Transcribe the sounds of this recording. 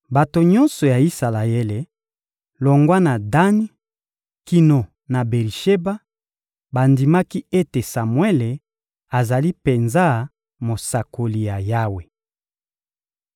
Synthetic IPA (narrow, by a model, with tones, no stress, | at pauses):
ba˨to˨ɲɔ˦nsɔ˨ja˨i˦sa˨la˨je˦le˨ | lo˨ŋɡwa˦na˨da˦ni˦ | ki˨no˨ | na˨be˨li˨ʃe˦ba˦ | ba˨ndi˨ma˦ki˦e˦te˨sa˨mwe˦le˨ | a˨za˨li˦pe˨nza˦ | mo˨sa˨ko˨li˨ja˨ja˦we˨